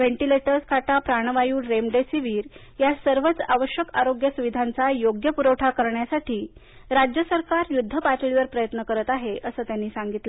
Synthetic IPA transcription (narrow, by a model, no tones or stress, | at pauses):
ʋeɳʈileʈəɾskʰaʈapɾaɽ̃ʋajuːɽɾemɖesiʋiːɾ | jasəɾʋət͡saʋəɕjəkaɾoɡjəsuʋid̪ʱant͡sajoɡjəpuɾoʈʰakəɾɳjasaʈʰiːɾad͡ʑjəsəɾkaɾjud̪ʱːəpat̪ɭiʋəɾpɾəjət̪nəkəɾət̪aɦeʔəsəːt̪janːiːsaŋɡit̪lə